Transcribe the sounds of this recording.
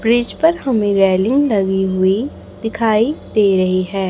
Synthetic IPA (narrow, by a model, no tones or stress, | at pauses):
bɾɪd͡ʒpɐɾɦɐmẽɾɛːlɪ̃ŋɡlɐɡiɦʊi | d̪ɪkʰaːid̪eːɾɐɦiɦɛː